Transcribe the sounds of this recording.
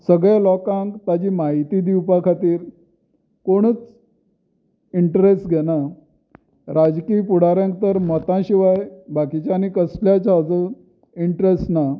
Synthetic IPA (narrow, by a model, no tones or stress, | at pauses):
səɡɭjalɔkãŋkt̪ad͡ʑiːmaɦit̪iːd̪iwpakʰat̪iːɾ | koɽ̃ət͡s | iɳʈɾesʈɡʱɛna | ɾad͡zkiːpuɽ̤aɾjãŋk̚t̪əɾmət̪ãɕiʋajbakit͡ɕanikəsljat͡ɕaəd͡zə | iɳʈɾesʈna